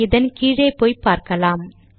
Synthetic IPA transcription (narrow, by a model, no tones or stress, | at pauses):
ɪðɐnkiːɻeːpoːjpaːɾkɐlaːm